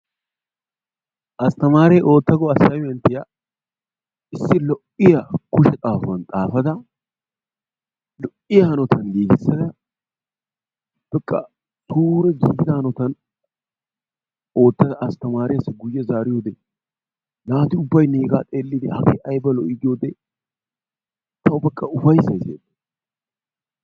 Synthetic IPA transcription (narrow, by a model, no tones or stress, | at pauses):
ʔɐst̪ɐmaːɾɛjʔo̞ːt̪ːɐɡɔɐsːɐjjɛnt̪ːɪjɐ | ɪsːɪlɔʔɪjɐkʊʃɛt̪ʼaːfʊɐnt̪ʼaːfɐd̪ɐ | lɔʔɪjɐhɐnɔt̪ɐnɡiːɡ̪ɪsːɐd̪ɐ | b̥ɛkʼːɐ̰ | t̪uːɾɛɡiːɡɪd̪ɐhɐnɔt̪ɐn | o̞ːt̪ːɐd̪ɐʔɐst̪ɐmaːɾɪjɐsɛɡʊjːɐzaːɾɪjoːd̪ɛ | naːt̪ɪʊbːɐjneːɡaːt̪ʼeːlːɪd̪ɛhɐɡḛʔɐjbɐlɔʔɪɡ̪ɪjoːd̪ɛ | t̪ɐʊbɛkʼːɐʊfɐjsɐjzjḛd̪ɐ